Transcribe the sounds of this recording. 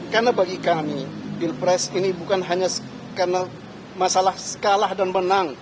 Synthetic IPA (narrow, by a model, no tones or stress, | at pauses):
karnabaɡikamibilpɾɛsinibukanɦaɲas | karna | masalahsə̥kalahdanbənaŋ